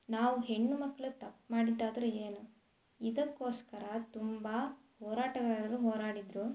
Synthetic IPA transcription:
naːʋuɦe̞ɳːumɐkːɐɭut̪ɐpːmaːɽid̪aːd̪ɾueːnu | id̪ɐkːo̞ːskɐɾɐt̪umbɐ | hɔːɾaːʈɐɡaɾɐɾuɦoːɾaːɽid̪ɾu

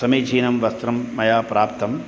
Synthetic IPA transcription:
sɐmiːt͡ʃʰiːnɐmʋɐst̪ɾɐmːɐjaːpɾaːpt̪ʰɐm

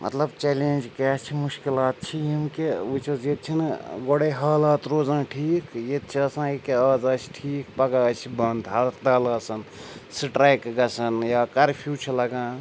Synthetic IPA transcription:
mʔɐ̰t̪lɐbt͡ʃɛːleːnʲd͡ʒket͡ʃʰimuʃkilaːt̪̚t͡ʃʰijimkeut͡ʃɐzet̪̚t͡ʃʰinɡoɽeɦaːlaːt̪ɾoːzãːʈʰiːkjet̪̚t͡ʃʰiɐsãːikeaːzɐːsi̥ʈʰiːkpɐɡat͡ʃʰibɐnd̪ɦaːlt̪d̪aːlɐːsɐnsʈɾaːjkɡɐsɐnjaːkɐɾpʰjuːt͡ʃʰilɐɡãː

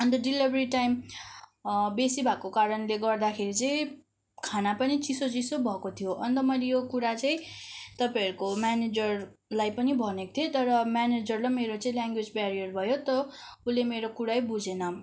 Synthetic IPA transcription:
ʌnt̪ʌɖilibʱʌɾiʈajm | besibʱakokaɾʌnleɡʌrd̪akʰeɾit͡sʌĩ | kʰanapʌnit͡sisot͡sisobʱʌkot̪ʰijoʔʌnt̪ʌmʌjlejokuɾat͡saĩt̪ʌpaʌɾukomaned͡zʌr | lajpʌnibʱʌnekt̪ʰiet̪ʌɾʌmaned͡zʌrlʌmeɾot͡saĩlaŋɡwed͡zbaɾijʌrbʱʌjot̪ʌulemeɾokuɾajbud͡zʱenʌ

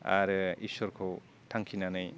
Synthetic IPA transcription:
a̰ɾɯḭsɔɾkʰow | tʰaŋkʰinanɯj

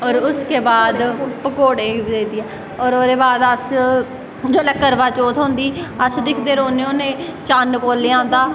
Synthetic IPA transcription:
ɔːɾʊskeːbaːd̪pəkoːɽeːd̪eːd̪iɛː | ɔːɾoːɾeːbaːd̪əs | d͡ʒoːləkːəɾʋaːt͡ʃoːt̪ɦõːnd̪iːəsd̪ɪkʰd̪eːɾoːneoːnẽːt͡ʃaːnkoːleːãːnd̪aː

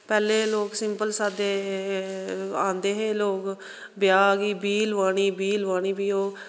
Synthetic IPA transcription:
pɛːleːloːksɪmpəlsaːd̪eː | ãːnd̪eːɦeːloːk | bɪjaːɡiːbiːlʋaːɽiːbiːlʋaːɽ̃iːbiːoː

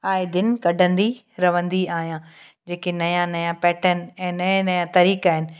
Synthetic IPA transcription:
aːɪd̪ɪn̆kɐɖʱə̃nd̪i | ɾɐʋə̃nd̪iaːɦijã | d͡ʑeːkenɐjãnɐjãpɛːʈənɛ̃ːnɐẽnɐjãt̪ɐɾiːkaːɦɪnɪ̆

